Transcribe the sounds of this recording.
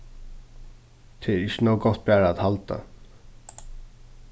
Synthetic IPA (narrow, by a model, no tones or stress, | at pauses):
t̪ʰɛɛɹɪʃənoʊɡɔht̪̚bæːɹaːðhalt̪a̰